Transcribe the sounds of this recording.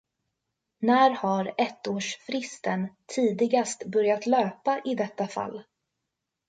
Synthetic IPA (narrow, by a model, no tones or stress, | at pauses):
næːɾhaɾɛt̪ːoːʂfɾɪst̪ənt̪ʰiːd̪ɪɡast̪bœɾjat̪løːpaʔɪd̪ɛt̪ːafa̰lː